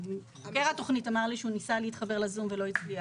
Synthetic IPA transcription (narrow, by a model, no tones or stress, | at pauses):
χakeʁato̞χnitamaʁliʃeunisaliitχabe̞ʁlazumvelo̞it͡slia